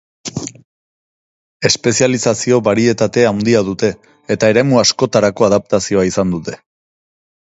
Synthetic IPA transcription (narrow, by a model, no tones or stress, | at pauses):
e̞spe̞sialisasio̞βaɾie̞t̪at̪e̞awnd̪iaðut̪e̞ː | t̪ae̞ɾe̞muasko̞t̪aɾako̞aðap̚t̪asio̞aisand̪ut̪e̞